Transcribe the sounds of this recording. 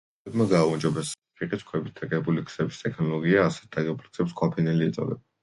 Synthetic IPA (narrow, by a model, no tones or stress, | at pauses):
bmaɡaːund͡ʒɔbɛs | pʰiqʼit̪skʰwɛbit̪̚ʰɛkʼɛbulikʰsɛbist̪ʼɛkʰnɔlˠɔɡiaːsɛ̥t̪̚d̪aɡɛbulksɛpskʰwapʰinɛliɛt̪sʼɔ̰d̪ɛ̰b